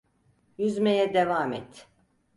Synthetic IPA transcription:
jyzmejɛd̪evaːmɛt̪

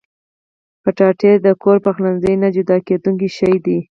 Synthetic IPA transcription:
pəʈɑʈed̪əkoɾpəxlanzəjnad͡ʒʊd̪ɑked̪uŋk̬iʃajd̪i

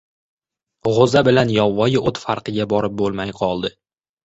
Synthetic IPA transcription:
ʁozabɪlanjɒvːɒjɪot̪faɾqʰɨɡʲabɒɾɪp̚bolˠmajqʰɒlˠd̪ɪ

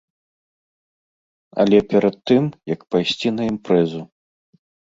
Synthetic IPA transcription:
ɐ̰lʲɛpʲɛɾɐt̪ːɨmjɐkpajsʲt͡sʲinɐimpɾɛzu

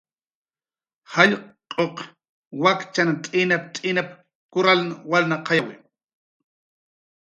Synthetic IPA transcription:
haʎqqʼoq | wakt͡ʃanat̪ʼɪnap̚t̪ʼɪnap | kʊɾalnawalnaqʰɑjawɪ

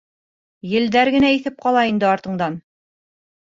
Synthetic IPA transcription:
jɘ̆ld̪æɾɡɘ̆næiθɘp̚qɑlˠɑind̪ɘɑɾt̪ɤ̆ɴd̪ɑn

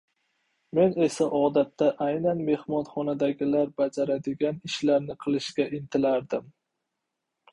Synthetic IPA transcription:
me̞ne̞saʔɒd̪at̪ːaʔajnanme̞hmɒnχɒnad̪aɡʲɪlaɾbad͡ʒaɾad̪ɪɡʲanɪʃlaɾnɪqʰɨlˠɪʃkʲaʔɪnt̪ʰɪlaɾd̪ɪm

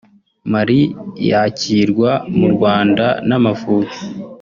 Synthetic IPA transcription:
maɾijaciːɾɡwamuɾɡwaːndanamafuːti̥

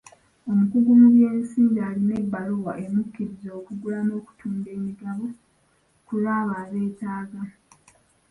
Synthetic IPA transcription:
o̞mukuɡumuβje̞ːmisiːɲɟaːline̞bːaluwaʔemukːiɾizo̞ːkuɡulano̞ːku̥tʰuːnde̞ːmiɡaβo̞ | kulaːβaːβe̞ːtaːɡa

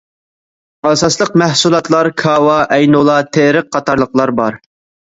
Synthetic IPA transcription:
ɑsɑslˠəqmæhsulˠɑt̪lˠɑɾkʰɑwɑʔɛjnulˠɑt̪ʰeɾəq̚ʰːɑt̪ʰɑɾlˠəqlˠɑɾbɑɾ

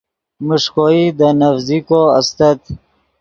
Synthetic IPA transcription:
muʂkoid̪ənafzikoa̰st̪ət̪

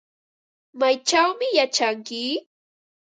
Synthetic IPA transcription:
majt͡ʃawmɪjat͡ʃaŋkɪ

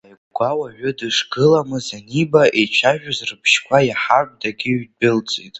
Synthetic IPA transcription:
aʕ | ɡʷawaʕʷʊdɨʂɡɨlamɨzanibaʔet͡ʃʷʰaʒᶣazrɨpʰʃkʷʰajaħarb̚daɡʲɪɥbʼɪlt͡sʼitʼ

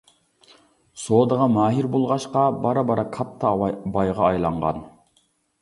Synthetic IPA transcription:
soːd̪əʁɑmɑːɦiɾbolˠʁɑʃqɑbɑɾɑbɑɾɑkʰɑt̪ʰːɑbɑjʁɑːjlˠɑɴʁɑ̰n

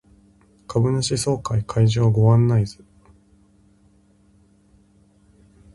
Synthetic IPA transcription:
kabɯ̟naɕiso̞ːkaikʰaiʑiβaɡo̞βãnːaizɨ

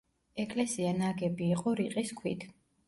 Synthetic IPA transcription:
ɛkʼlɛsianaɡɛbiːqʼɔɾiqʼiskʰwḭd̪ʰ

